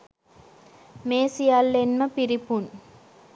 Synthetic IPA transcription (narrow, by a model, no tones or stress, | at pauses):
meːsijaːlːenmɐpiɾipun